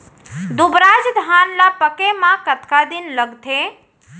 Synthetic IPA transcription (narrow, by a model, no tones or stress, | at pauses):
d̪ubɾad͡ʒd̪ʱanlapəkemãkət̪kad̪inləɡt̪ʰe